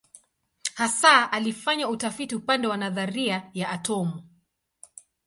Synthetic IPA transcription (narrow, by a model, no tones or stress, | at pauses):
hasaʔalifaɲautafitiupandɛwanaðaɾiajaʔatɔmu